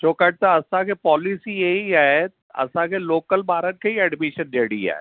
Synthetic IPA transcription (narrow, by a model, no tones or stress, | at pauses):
t͡ʃoːkəɖ̚t̪aɐsãːkʰepɔːlisijeiɛːe | ɐ̰sãːkʰeloːkəlbaːɾənkʰeiɛːɖmɪʃənd̪eːɽḭɛ̰ː